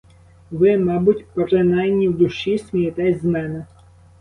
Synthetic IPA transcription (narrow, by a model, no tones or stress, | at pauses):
ʋɪmɑbʊtʲpeɾenɑjnʲiwd̪ʊʃisʲmʲijet̪ɛsʲzmɛnɛ